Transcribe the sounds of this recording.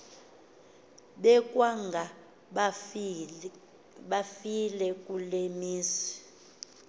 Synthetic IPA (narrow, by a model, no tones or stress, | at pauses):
ɓɛkʼwaŋɡʱa | ɓafilɛkʼulemiːsi̥